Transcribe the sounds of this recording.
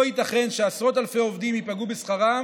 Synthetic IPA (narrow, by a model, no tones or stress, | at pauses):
oit̪aχe̞nʃeasʁo̞t̪alfe̞jo̞vd̪imjipaɡubesχaʁa